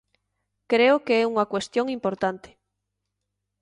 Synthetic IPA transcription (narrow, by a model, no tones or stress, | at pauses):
kɾeʊkeɛuŋɐkwest̪joŋimpoɾt̪ant̪ɪ̥